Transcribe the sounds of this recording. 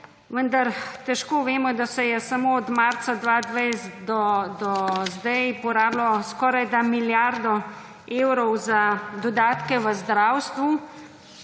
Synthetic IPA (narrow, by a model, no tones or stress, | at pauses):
ʋənd̪aɾt̪ɛʃkoːʋeːmɔd̪asɛjɛsamoɔd̪maɾsad̪ʋaːd̪ʋɛjsd̪ɔd̪ɔzd̪ɛjpɔɾaːblɔskɔːɾajd̪amiljaɾd̪ɔ | eːwɾɔwzad̪ɔd̪aːt̪kɛʋəzd̪ɾaːwst̪ʋu